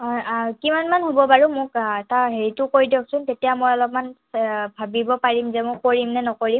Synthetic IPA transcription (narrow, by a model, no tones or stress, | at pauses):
ɦɔjakimanmanɦobɔbaɹumʊkɛtaɦeɹitʊkoɹidɔksʊntetijamɔjɔlɔp̚man | bʱabibɔpaɹimzɛmɔkoɹimnɛnɔkoɹim